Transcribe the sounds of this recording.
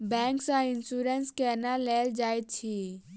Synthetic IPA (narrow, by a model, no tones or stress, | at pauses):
bɛ̃ːŋksãɪnsuɾenskɛnaleːld͡ʒaːet̪̚t͡ʃʰi